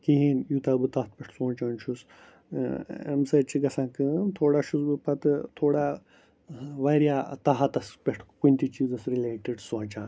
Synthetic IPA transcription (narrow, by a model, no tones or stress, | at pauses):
kiɦinjut̪aːbɨt̪ɐɦt̪̚pʲeʈʰsõːt͡ʃaːnt͡ʃʰus | ḛmsɐt͡ʃʰiɡɐsãːkɨmt̪ʰoːɽaːʃusbɨpɐt̪ɨt̪ʰoːɽaː | ʋaːɾjaːt̪ɐɦɐt̪ɐspʲeʈʰkunʲt̪it͡ʃiːzɐsɾileːʈiɖsõːt͡ʃãːn